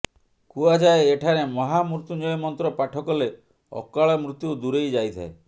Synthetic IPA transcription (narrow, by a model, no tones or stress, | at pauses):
kuad͡ʒaeːʈʰaɾemɔɦamɾut̪uɲɔjɔmɔnt̪ɾɔpaʈʰɔkɔle | ɔ̰kaɭɔmɾut̪jud̪uɾejd͡ʒajt̪ʰa̰e